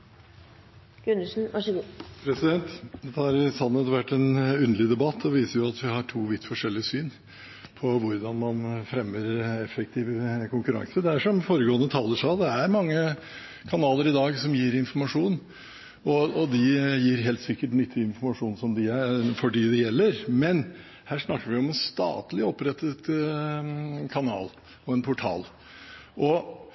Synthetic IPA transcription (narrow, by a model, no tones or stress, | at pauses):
ɡʉnəʂn̩ʋɑʂəɡuːpʰɾɛsɪd̪ɛnt̪d̪ɛt̪ʰɑɾsɑnːɛt̪ʋæʈːɛnʉnəlɪd̪ɛbɑt̪ʰːɔʋiːsəɾjʊɑt̪ʋɪhɑʈʰuːʋɪt̪ːfɔʂɛlːɪəsyːn | pʰɔʋʊɾd̪ɑnmɑnfɾɛmːəɾɛfːɛk̚t̪ʰiːʋəkʰʊŋkʉɾɑ̰ŋsəd̪ɛæʂɔmfoːɾəɡoːənət̪ʰɑːləʂæd̪ɛæɾmɑŋːə | kʰɑnɑːləɾɪd̪ɑːɡsɔmjiːɾɪnfɔɾmɑʂuːn | ɔɔd̪ɪjiːɾɦeːlt̪sɪkːəʈnʏt̪ʰːɪɪnfɔɾmɑʂuːnsɔmd̪ɪæfɔɖiːd̪ɛjɛlːəɾmɛn | hæːʂnɑkːəɾʋɪɔmɛnst̪ɑ̰ːt̪lɪɔpːɾɛt̪ːət̪ | kʰɑnɑ̰ːl | ɔɛnpʰʊʈʰɑ̰ːl | ʔɔ